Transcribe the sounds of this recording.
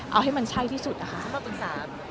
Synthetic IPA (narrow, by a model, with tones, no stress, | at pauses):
ʔa̰˧wɦa˥˩jma˧nt͡ɕʰa˥˩jt̪ʰiː˥˩su˨˩ʔa˦˧˩kʰa˦˥ʔa˨˩p̪ɯ˨˩saː˩˦m